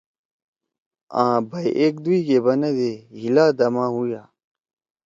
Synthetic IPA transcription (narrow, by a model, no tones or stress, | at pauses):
ãːbɐjʔek̚d̪uiɡebɐned̪eɦilaːd̪ɐmãːɦujaː